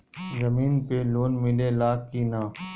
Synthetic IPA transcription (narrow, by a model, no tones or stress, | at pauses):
zəmiːnpeloːnmɪlelaːkːinaː